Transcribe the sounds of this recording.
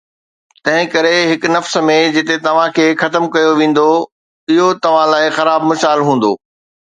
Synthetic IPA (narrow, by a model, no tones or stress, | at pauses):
t̪ɐ̃ɦɪ̃kɐɾeɦɪknɐfsmẽd͡ʑɪt̪et̪ɐʋ̤ãkʰeːxɐt̪əmkɐjoʋẽːn̆d̪o | ɪɦot̪ɐʋ̤ãlaːɪxɐɾaːbmɪsaːlɦũːn̆d̪oː